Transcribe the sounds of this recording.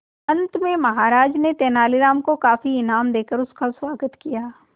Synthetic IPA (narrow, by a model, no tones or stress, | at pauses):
ɐ̃nt̪mẽmɐɦaːɾaːd͡ʒnet̪eːnaːliɾaːmkokaːfiɪnaːmd̪eːkəɾʊskaswaːɡət̪kijaː